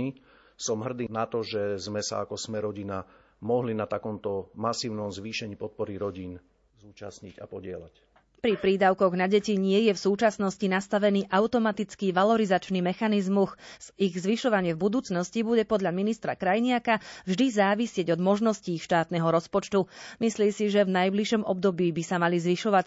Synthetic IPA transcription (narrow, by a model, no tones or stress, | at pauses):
i | sɔmɦr̩d̪iːnat̪ɔʒɛzmɛsa̰akɔsmɛɾɔɟina | mɔɦlinat̪akɔmt̪ɔmasiːʊnɔmzʋiːʃɛɲiːpɔt̪̚pɔɾiɾɔɟiːn | zuːt͡ʃa̰sɲiɟa̰pɔɟɪɛla̰c | pɾipɾid̪aʊkɔɣnaɟɛciɲɪɛjɛfsuːt͡ʃasnɔscinast̪aʋɛniːʔaʊt̪ɔmat̪it͡skiʋalɔɾizat͡ʃnimɛxanizmuxiɣzʋiʃɔʋaɲɪɛvbud̪uːt͡snɔscibuɟɛpɔd̪ʎaminist̪ɾa̰kɾajɲɪakavʒd̪izaːʋisɪɛɟɔd̪mɔʒnɔsciːʃt̪aːt̪nɛɦɔɾɔspɔt͡ʃt̪umisliːmsiʒɛvnajbliʃɔmɔb̚d̪ɔbiːbisamalizʋiʃɔʋac